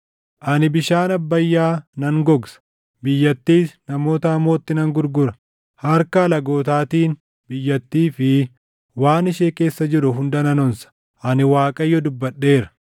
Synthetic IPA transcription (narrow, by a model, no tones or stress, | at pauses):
ʔɐnɪbɪʃaːnɐbːɐjːaːnɐŋɡɔɡsɐ̥ | bɪjːɐt̪ːiːsnɐmo̞ːt̪ɐɐmoːt̪ːɪnɐŋɡʊɾɡʊɾɐ | hɐɾkɐːlɐɡo̞ːt̪aːt̪iːn | bɪjːɐt̪ːiːfɪ | waːnɪʃeːke̞ːsːɐd͡ʒɪɾʊɦʊnd̪ɐnɐnɔnsɐ̥ | ʔɐnɪwaːkʼɐjːɔd̪ʊbːɐᶑːe̞ːɾɐ̥